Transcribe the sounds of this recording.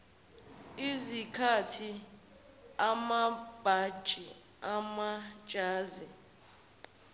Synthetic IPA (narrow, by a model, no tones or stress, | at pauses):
izikʰatʰi | amab̥ʱant͡ʃʼi | amḁʒ̥ʼʱaːzi